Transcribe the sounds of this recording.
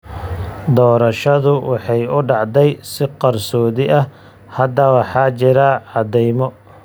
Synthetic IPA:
d̪ɔːɾɐʃɐðʊwʔɑħɑjʊɖɑʕd̪ɛjsɪqɑrsɔːðɪʔɐ | hɐd̪ɐwɑħɑːt͡ʃɪɾɐʕɑd̪ɛjmɔ

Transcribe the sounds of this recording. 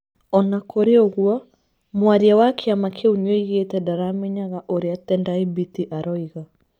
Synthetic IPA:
ɔnakoɾeɔɣua | mwaɾiawakʰeamakʰeuɲweiɣetɛdaɾameɲaɣaʔoɾeatɛndaibitiʔaɾɔiɣa

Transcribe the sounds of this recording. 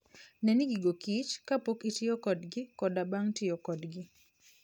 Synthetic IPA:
nɛniɡiɡokit͡ʃkapokitɪjɔkɔdɡɪkɔdabaŋtɪjɔkɔdɡɪ

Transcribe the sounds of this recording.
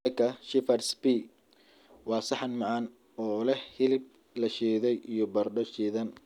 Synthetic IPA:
kʰɐʃɪfɐɾsbi | wɑːsɑħɑnmɑʕɑn | ɔːlɛhhɪlɪb̚ | lɐʃɛːðɛjijɞbɐrɖɔʃiːðɐn

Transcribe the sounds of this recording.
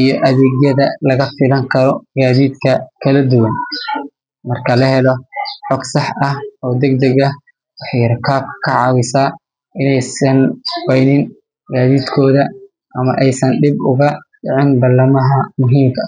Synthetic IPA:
ʔijɔʔɐðɛːɣjɐðɐlɐɣɐfɪlɐŋkʰɐɾɔɡaːðiːd̪kʰɐkʰɐlɐd̪ʊwɐn | mɐrkʰɐlɐɦɛlɔħɔɡsɑħʔɐhɔːd̪ɛɡ̚d̪ɛɣɐ | wɑħjɐɾkʰaːb̚kʰɐ̥kʰɐʕɑːwɪsaː | ɪnɛjsɐnwɛjnɪn | ɡaːðiːd̪kʰɔːðɐ | ʔɐmɐʔɛjsɐnɖɪbʊɣɐɖɪʕɪnbɐlɐmɐɦɐmʊɦiːmkʰɐ

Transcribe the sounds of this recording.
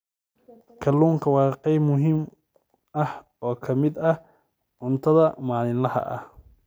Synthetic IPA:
kʰɐlːuːŋkʰɐwɑːqɛjbmʊɦiːm | ɐh | ɔːkʰɐmɪd̪ɐh | ʕʊnt̪ʰɐðɐmaːlɪnlɐhɐ̰ʔɐ̰h

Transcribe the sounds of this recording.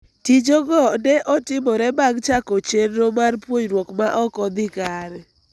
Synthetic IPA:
tid͡ʒoɡɔnɛʔɔtɪmɔɾɛbaɡt͡ʃakɔt͡ʃenːomarpwoɲrwokmaʔɔkɔd̪ɪkaɾɛ

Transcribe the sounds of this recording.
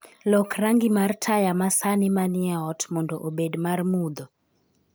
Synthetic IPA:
lɔkraŋɡɪmartʰajamasanɪmanɪaɔtmɔndɔʔobedmarmud̪ɔ

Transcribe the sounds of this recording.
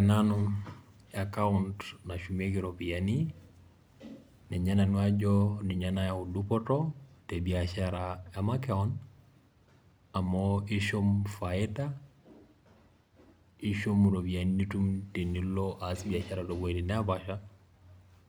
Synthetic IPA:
ɛnanu | akauntnaʃumek̬iɾopiani | nɛɲananuad͡ʒɔniɲanajaudupɔtɔtebiaʃaɾajamakɛɔn | amɔiʃomfaeta | iʃomuɾobianinitumtenilːoʔasbiaʃaɾadoboiɾinɛabaʃa

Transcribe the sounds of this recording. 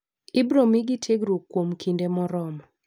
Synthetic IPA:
ɪbɾomiɡitʰeɡɾukːwomkʰindemɔɾɔmɔ

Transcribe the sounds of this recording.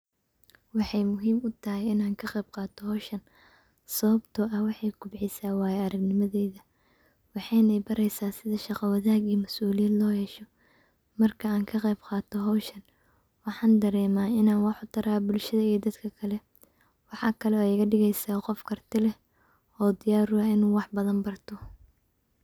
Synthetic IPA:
wɑħɑjmʊɦiːmʊt̪ʰɐɦɛjɪnaːŋkʰɐqɛjb̚qɑːt̪ʰɔɦɔːʃɐn | sɐβɐbt̪ʰʊʔɐwɑħɑjɡʊbʕɪsaːwaːjɛɐɾɐɡnɪmɐðɛːðɐ | wɑħɑjnɐjbɐɾɛjsaːsɪðɐʃɑqɐwɐðaːɡiːmɐsuːlɪjɛːd̪lɔːhɛːʃɔ | mɐrkʰɐaːŋkʰɐqɛjbqɑːt̪ʰɔɦɔːʃɐn | wɑħɑːnd̪ɐɾɛːmaːɪnaːnwɑħʊt̪ʰɐɾaːbʊlʃɐðɐijd̪ɐd̪kʰɐkʰɐlɛ | wɑħɑːkʰɐlɛɛjɣɐɖɪɣɛjsaːqɔfkʰɐrt̪ʰɪlɛ | ɔːd̪ɪjaːɾʊɐɪnuːwɑħbɐðɐnbɐrt̪ʰɔ

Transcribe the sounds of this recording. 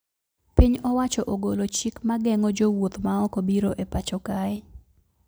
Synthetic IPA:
piɲɔwat͡ʃɔʔoɡolot͡ʃikmaɡɛŋɔd͡ʒowot̪maɔkobiɾoʔepat͡ʃɔkaɪ

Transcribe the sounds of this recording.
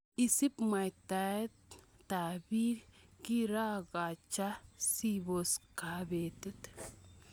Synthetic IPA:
isipmajt̪at̪ | t̪abikiɾaɡat͡ʃasiboskabet̪it̪

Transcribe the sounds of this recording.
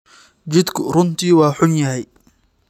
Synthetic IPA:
t͡ʃɪd̪kʰʊrʊnt̪ʰiːwɑːħʊnjɐɦɛj

